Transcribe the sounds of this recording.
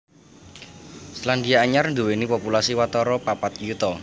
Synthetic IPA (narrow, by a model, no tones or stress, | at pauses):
slandiaːɲarnd̪uwenipɔpulasiwat̪ɔɾɔpapat̪jut̪ɔ